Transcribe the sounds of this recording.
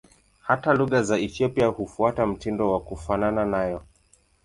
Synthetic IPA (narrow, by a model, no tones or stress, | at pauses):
hataluɣazaɛθiɔpiahufuatam̩tindɔwakufanananajɔ